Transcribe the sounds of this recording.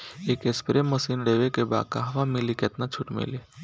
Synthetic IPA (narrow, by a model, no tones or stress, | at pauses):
ekespɾemːəsiːnɖeːʋekeba̰ːka̰ɦɐʋamɪliket̪nat͡ʃʰuʈmḛli